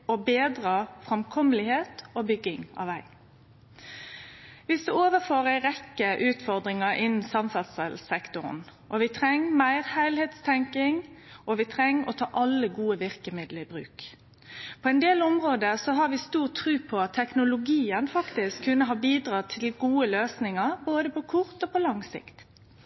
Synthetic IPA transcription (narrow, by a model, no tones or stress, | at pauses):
ɔbeːd̪ʁɑfʁɑmkʰɔməlɪheːt̪oːbʏɡːɪŋɑ̰ʋæɪ | ʋɪsd̪ɛoːʋəfoːʁæɪɾɛkːəʔʉːt̪fɔʁd̪ʁɪŋɑɾʔɪnn̩sɑmsɑt̪səlsɛkt̪ʊɾn | ʔɔʋɪt̪ʰɾɛŋːmæɪʁhæɪlheːt̪st̪ʰɛŋkɪŋʔɔʋɪt̪ʰʁɛŋːɔt̪ʰɑːʔɑlːəɡuːəʋɪʁkəmɪd̪ləɪbʁʉ̰ːk | pʰɔɛnd̪eːlʊmʁoːd̪əsɔɦɑʁʋɪst̪uːʁt̪ʰʁʉːpʰɔɑt̪ʰːɛknʊlʊɡiːənfɑkt̪ɪskʰːʉnːəɦɑːbiːd̪ʁɑːt̪ʰɪlɡuːəløːsnɪŋəʁboːd̪əpɔkʰʊʁt̪oːpʰɔlɑŋsɪ̰kt̪